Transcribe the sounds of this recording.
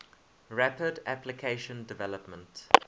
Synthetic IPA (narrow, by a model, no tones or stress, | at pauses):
ɹapədæplɪkʰeɪʃə̃ndɪvɛləpmə̃nt